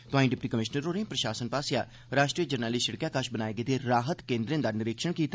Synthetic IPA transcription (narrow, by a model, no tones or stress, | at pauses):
t̪ʊɦaːĩɖɪpʈiːkəmɪʃnəɾoːnẽːpɾəʃaːsənpaːsjaː | ɾaːʃʈɾiːəd͡ʒəɾnaːlɪʃəɽkjaːkəʃbənaːeːɡeːt̪eːɾaːɦət̪kẽːnd̪ɾẽːnd̪aːnɪɾɪkʃəɳkiːt̪aː